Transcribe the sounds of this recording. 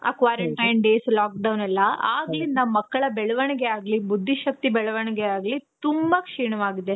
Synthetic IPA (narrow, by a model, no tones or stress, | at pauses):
a̰ːkʋaːɾɐɳʈɐjnɖeːslaːk̚ɖɐwnɐlːɐaːɡɐlind̪ɐmɐkːɐɭɐbɛɭɐʋɐɳɛɡeaːɡlibud̪ʱːiʃɐk̚t̪ibɛɭɐʋɐɳɛɡeaːɡlit̪umbɐkʂiːɳɐʋaːɡid̪ːe̞